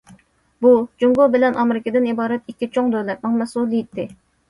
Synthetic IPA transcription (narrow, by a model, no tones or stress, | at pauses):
bud͡ʒuŋɡobɪlɛnʔɑmɪɾɪkʲɪd̪ɪnibɑːɾɛt̪ikʲːit͡ʃʰoŋd̪øwlɛt̪̚mɑŋmɛsulˠijit̪ʰːɪ